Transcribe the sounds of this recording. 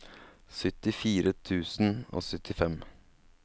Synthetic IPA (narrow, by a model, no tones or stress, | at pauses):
sʏt̪ɪfiːɾət̪ʰʉːsn̩o̰ːsʏt̪ʰɪfɛm